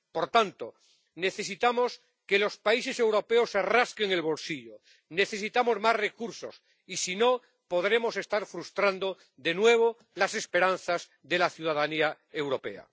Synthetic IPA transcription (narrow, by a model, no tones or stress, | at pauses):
po̞ɾt̪ant̪o̞ | ne̞θe̞s̬it̪amo̞s | ke̞lo̞spaise̞se̞wɾo̞pe̞osaraske̞ŋe̞lβo̞lsiʎo | ne̞θe̞sit̪amo̞zmasre̞kuɾso̞̰s | isino̞ | po̞ðɾe̞mo̞se̞st̪aɾfɾust̪ɾand̪o̞ | ðe̞nwe̞β̞o̞ | lase̞spe̞ɾan̟θaz | ðe̞laθjuð̞aðania | e̞wɾo̞pe̞̰a̰